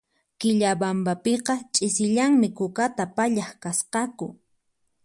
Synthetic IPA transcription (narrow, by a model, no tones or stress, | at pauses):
kɪʎabambapeqɑt͡ʃʼɪsɪʎaŋmɪkʊkat̪apaʎaχkasqɑkʊ̰